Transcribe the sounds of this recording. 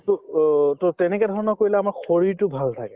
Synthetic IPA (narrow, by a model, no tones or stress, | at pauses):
tʊtotɛnɛkɛdʱɔɹɔnɔkoɹilɛamaɹxoɹiɹtʊbʱalt̪ʰakɛ